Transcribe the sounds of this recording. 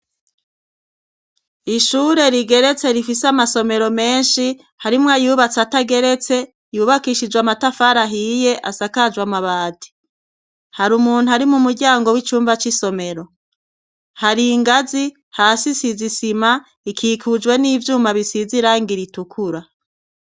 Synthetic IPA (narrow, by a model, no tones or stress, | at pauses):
iʃuːɾe̞ɾiɡe̞ɾe̞t͡se̞ɾifisamaso̞me̞ɾo̞me̞ːnʃi | haɾimwajuːβat͡sataɡe̞ɾe̞t͡se̞ | juːβakiːʃid͡ʒwamatafaɾaɦije̞ʔasakad͡ʒwamaβaːdi̥ | haɾumuːn̥uaɾimumuɾɟaːŋɡo̞wit͡ʃuːmvat͡ʃiso̞me̞ɾo̞ | haɾiːŋɡazi | haːsisizisima | ikʰiːkʰud͡ʒwe̞niːvjuːmaβisiziɾaːŋɡiɾitukʰuɾa